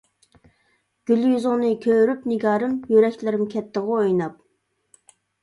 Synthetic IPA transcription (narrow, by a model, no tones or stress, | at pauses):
ɡ̥ʲyljyzʊŋnɨkʲʰøɾypnɪɡɑːɾɨmjøɾɛkʲlɪɾɪmkʲʰɛt̪ʰːəʁʊojnɑp̚